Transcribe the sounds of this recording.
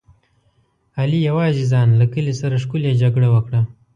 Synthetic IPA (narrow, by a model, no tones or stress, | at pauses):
alijawɑːzizɑːnlakəlisaɾaʂkuljad͡ʒaɡɽawəkɽa